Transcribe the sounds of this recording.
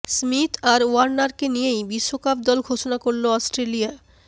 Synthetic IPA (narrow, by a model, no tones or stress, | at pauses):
smit̪ʰaɾaɾnaɾkenijejbiʃːokap̚d̪ɔlɡʱoʃonakoɾloɔsʈɾelija